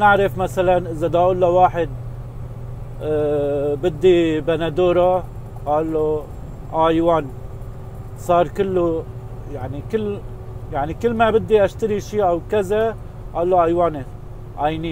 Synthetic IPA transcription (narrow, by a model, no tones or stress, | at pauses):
nɪʕɾɪfmasalanʔɪzad̪aʔulːawaːħɪd̪̚ | bɪd̪ːibanad̪oːɾˤa | ʔaːlːo | ʔaʕajwaːn | sˤɑːɾˤkɪlːojaʕnikɪlː | jaʕnikɪlːmabɪd̪ːiʔaʃt̪aɾiʃiːʔawkaza | ʔaːlːoʔajwaːni | ʔajni